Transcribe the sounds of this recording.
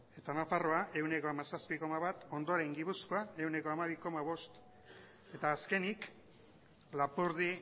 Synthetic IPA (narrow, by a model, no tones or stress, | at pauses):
e̞t̪anafaro̞ae̞wne̞ko̞amasaspiko̞maβat̪o̞nd̪o̞aɾe̞ŋɡipuskoae̞wne̞koamaβ̞iko̞maβ̞o̞st̪ | e̞t̪aːske̞nik | lapuɾði